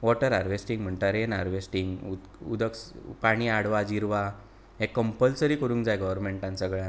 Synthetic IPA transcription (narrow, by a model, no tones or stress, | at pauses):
ʋɔʈəɾaɾʋesʈiŋɡm̤əɳʈ̪aɾenaɾʋesʈiŋɡu | ṵd̪əkspaɽ̃iaɽʋad͡ʑiɾʋa | ɦekːəmpəlsəɾiːkəɾũːŋkd͡zajɡəʋəɾmeɳʈãnsəɡɭa